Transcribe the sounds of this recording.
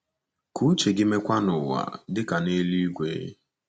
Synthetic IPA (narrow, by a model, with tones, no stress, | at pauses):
ku˦t͡ʃe˨ɡɪ˦me˦kʷa˦nʊ˨wa̰˨dɪ˦ka˨ne˦li˦kʷḛ˨˦ḛ˦